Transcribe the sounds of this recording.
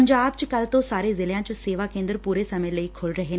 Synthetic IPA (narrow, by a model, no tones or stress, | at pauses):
ɲd͡ʒaːbt͡ʃkɐlt̪osaːɾezɪljãt͡ʃoseːʋakẽːnd̪əɾpuːɾesɐmələikʰʊlɾɐɦe